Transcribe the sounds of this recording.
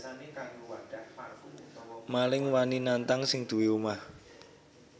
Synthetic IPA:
malɪŋwaninant̪aŋsɪŋd̪̥ṳwiumah

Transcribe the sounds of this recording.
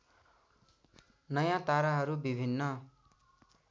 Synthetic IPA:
nʌjãt̪aɾaɦʌɾubibʱinːʌ

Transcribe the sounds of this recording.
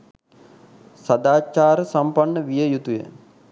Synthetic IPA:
sad̪aːt͡ʃaːɾəsampanːəʋijəjut̪ujə̰

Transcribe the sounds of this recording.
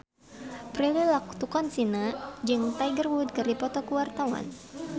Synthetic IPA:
pɾililak̚t̪ukɔnsinad͡ʒɨŋt̪ajɡərwud̪̚kɨrdipɔt̪ɔkuwart̪awa̰n

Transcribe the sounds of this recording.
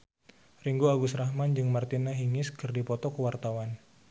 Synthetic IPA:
riŋɡuaɡusɾahmand͡ʒɨŋmart̪inaɦiŋɪskɨrdipɔt̪ɔkəwart̪awan

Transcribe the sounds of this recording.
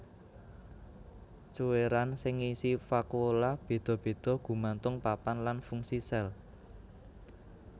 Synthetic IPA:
t͡ʃuweɾansɪŋisifakolab̥e̤d̪̥ɔ̤b̥e̤d̪̥ɔ̤ɡ̥ṳmant̪ʊŋpapanlanfuŋsisɛl

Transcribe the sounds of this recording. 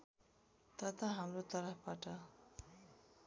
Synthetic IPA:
t̪at̪aɦamlot̪aɾahpaʈa

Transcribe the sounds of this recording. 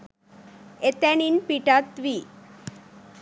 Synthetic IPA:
et̪ːæninpiʈat̪ʋi

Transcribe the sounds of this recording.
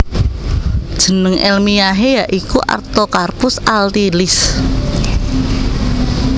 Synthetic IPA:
d̥ʒ̥ə̤nəŋʔɛlmijaɦejaʔikuʔa̰rt̪okarpʊsʔalt̪ilɪs

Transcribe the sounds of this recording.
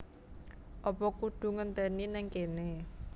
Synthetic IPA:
ʔɔpɔkuɖ̪̥ṳŋənt̪ɛninɛŋkene

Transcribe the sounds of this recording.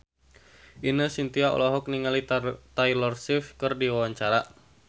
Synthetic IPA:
ʔinəsint̪iaʔɔ̰lɔɦɔk̚niŋalit̪ailɔrsifkərdiwawaɲt͡ʃaɾa

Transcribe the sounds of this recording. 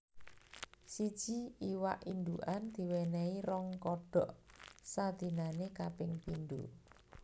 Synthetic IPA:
sid̥ʒ̥i̤iwaʔind̪uʔand̪̥i̤wɛnɛiɾɔŋkɔɖ̥ɔ̤ʔsad̪̥i̤nanekapɪŋpind̪ṵ

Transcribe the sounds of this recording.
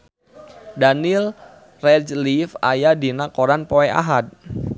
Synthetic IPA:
danil | rɛd͡ʒlifajadinakoɾanpoɛa̰ɦad̪̚

